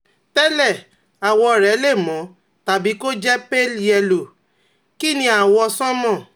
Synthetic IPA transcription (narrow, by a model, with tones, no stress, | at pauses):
tɛ˦lɛ˦˨ | a˨wɔ˧˨ɾɛ˨˦le˦˨mɔ̃˨˦ | ta˨bi˨˦ko˦d͡ʒɛ˦pe˦lɛ˧lo˨ | ki˦˨nĩ˧a˨wɔ˧sɔ̃˦mɔ̃˦˨